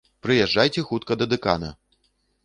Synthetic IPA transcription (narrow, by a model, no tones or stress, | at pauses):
pɾɨjɛʐd͡ʐːajt͡sʲɛxut̪̚kɐd̪ɐd̪ɨka̰nɐ̰